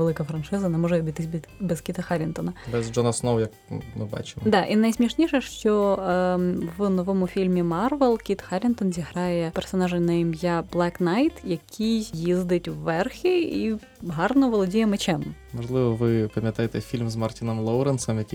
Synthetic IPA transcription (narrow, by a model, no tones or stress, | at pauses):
elˠɪkɐfɾɐnʃɪzɐnɛmɔʐɛbʲit̪ɪsʲbʲ | bɛzkʲit̪ɐxɑɾʲint̪ɔnɐbɛzd͡ʒɔnɐsnowjɐkmɨbɑ̰t͡ʃɪmd̪ɑʔinɐjsʲmʲiʃnʲiʃɛʃt͡ʃɔ | ʋnɔʋɔmʊfʲilʲmʲimɑrʋɛlˠkʲit̪xɑɾʲint̪ɔnzʲiɦɾɑjɛpɛrsɔnɑʒɪnɐjimʲjablˠɛknɑjt̪jɐkʲʰijjizd̪ɪtʲwːɛrxʲii | ɦɑrnɔʋɔlˠɔdʲijɛmɪt͡ʃɛmmɐʐlˠɪʋɔʋɪpɐmʲjɐt̪ajet̪ɛfʲilʲmzmɐrtʲinɔmlˠowɾɛnsɛmjɐkʲi